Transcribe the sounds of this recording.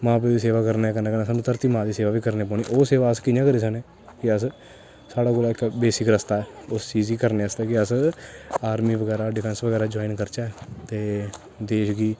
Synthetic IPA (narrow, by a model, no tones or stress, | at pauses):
mãːp̬ed̪iːseːʋaːkəɾnekəneːkəneːsaːnũt̪əɾt̪iːmãːd̪iːseːʋaːʋiːkəɾneːpɔːɽ̃niːʔoːseːʋaːəskɪjãːkəɾiːs̬əneː | kɪəs | saːɽaːkoːlaːɪkbeːsɪkɾəst̪aːɛːʊst͡ʃiːziːkəɾneːəst̪eːkɪəs | aːɾmiːʋəɡɛːɾaːɖɪpʰɛnsʋəɡɛːɾaːd͡ʒoːɪnkəɾt͡ʃaːɛt̪eː | d̪eːʃɡiː